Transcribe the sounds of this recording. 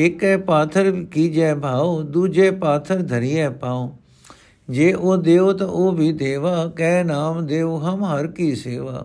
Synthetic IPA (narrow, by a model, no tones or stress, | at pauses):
ɪkɛpaːt̪ʰəɾkid͡ʒɛːbʱaːod̪uːd͡ʒepaːt̪ʰəɾd̪ʱɐɾijɛːpaːõ | d͡ʒeːʔoːd̪eːot̪ɐʔoːbʱid̪eːʋaːkɛ̃ːnaːmd̪eːoɦɐmɦɐɾkiseːʋa̰ː